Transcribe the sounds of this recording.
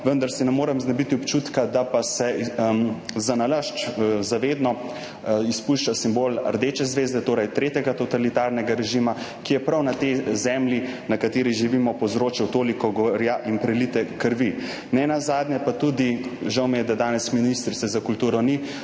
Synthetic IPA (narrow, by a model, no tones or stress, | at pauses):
ʋənd̪aɾsinɛmoːɾɛmznabit̪iɔpt͡ʃut̪kad̪apasɛmzanaləʃt͡ʃzaʋeːd̪nɔ | ispuʃt͡ʃasimboːlɐ̰ɾd̪eːt͡ʃɛzʋeːzd̪ɛt̪oːɾɛjt̪ɾeːt̪jɛɡat̪ɔt̪alit̪aːɾnɛɡaɾɛʒimakijɛpɾawnat̪ezɛmlʲjinakat̪eːɾiʒiʋimɔpɔzɾoːt͡ʃɛwt̪oːlikɔɡɔɾjaʔimpɾɛlit̪ɛkəɾʋi | nɛnazaːd̪nʲjɛpat̪ud̪iʒawmɛjɛd̪ad̪aːnɛsminist̪ɾit̪sɛzakult̪uːɾɔni